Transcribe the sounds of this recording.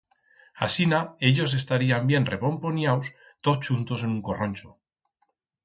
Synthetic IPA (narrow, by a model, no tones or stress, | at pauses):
a̰sinae̞ʎo̞s̬e̞st̪aɾiambje̞nreβo̞mponjaws | t̪ot͡ʃunt̪o̞se̞nuŋkoronʲt͡ʃo